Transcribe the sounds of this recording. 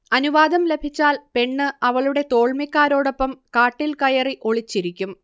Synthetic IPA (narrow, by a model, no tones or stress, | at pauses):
ɐnuʋaːd̪ɐmle̞bʱit͡ɕːaːlpe̞ɳːɨɐʋɐɭuɽe̞t̪o̞ːɭmikːaːɾo̞ːɽo̞pːɐmkaːʈːilkɐjɐriʔo̞ɭit͡ɕːiɾikʲːum